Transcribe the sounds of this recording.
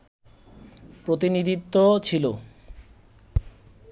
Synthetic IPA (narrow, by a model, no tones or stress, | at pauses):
pɾot̪inid̪ʱit̪ːot͡ɕʰilo